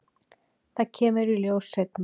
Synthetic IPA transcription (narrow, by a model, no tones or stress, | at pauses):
θacʰɛːmʏɾiljoːwsːet̪̚na